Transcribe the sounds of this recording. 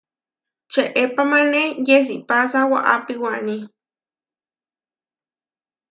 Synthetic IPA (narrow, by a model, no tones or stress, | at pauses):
t͡ʃeʔepamanejes̬iʔpasawa̰ʔa̰piwaʔni